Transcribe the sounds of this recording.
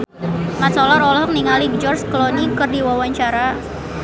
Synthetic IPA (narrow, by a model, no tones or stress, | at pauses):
kasɔlɔɾɔlɔhɔk̚niŋaliɡd͡ʒɔrsklɔnikɨrdiwawaɲt͡ʃaɾa